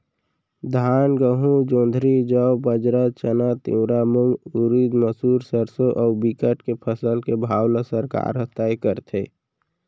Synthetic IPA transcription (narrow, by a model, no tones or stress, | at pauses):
d̪ʱaːnɡəɦũd͡ʒõːnd̪ʱɾid͡ʒəwbəd͡ʒɾət͡ʃənat̪ḭwɾamumuɾid̪məsuːɾsəɾsoʔɔːbikəʈkepʰəsəlkebʱaːwləsəɾka̰ːɾɦət̪aikəɾt̪ʰe